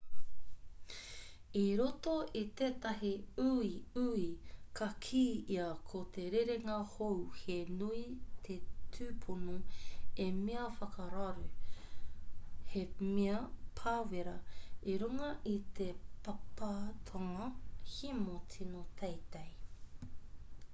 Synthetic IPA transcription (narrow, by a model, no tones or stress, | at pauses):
iɾot̪oit̪eːt̪ɐɦiuiuikɐkʰiːiɐkʰot̪ʰeɾeɾeŋɐhowhenuit̪ʰetʰʉːpʰonoemiɐfɐkɐɾɐɾʉ | hemiɐpʰaːweɾɐiɾuŋɐʔit̪epɐpat̪ʰoŋɐhimotʰinot̪ʰejt̪ej